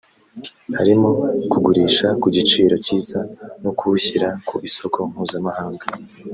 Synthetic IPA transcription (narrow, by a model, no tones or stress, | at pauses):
haɾimo̞kuɡuɾiːʃakuɟit͡ʃiːɾo̞ciːzanokʰuuçiɾakuʔiso̞kʰo̞m̥huːzamahaːŋɡa